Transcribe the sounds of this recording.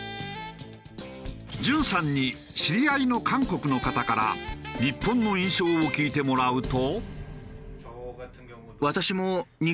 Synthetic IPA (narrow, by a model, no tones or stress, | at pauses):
d͡ʑɨ̃ɰ̃sãɲ̟ːi | ɕiɾʲiaino̞kʰãŋko̞kɯ̟no̞kat̪akaɾa̰ɲipːõ̞nːo̞ĩɰ̃ɕo̞ːokʲiːt̪e̞mo̞ɾaɯ̟t̪o | βat̪aɕimo̞ɲ̟i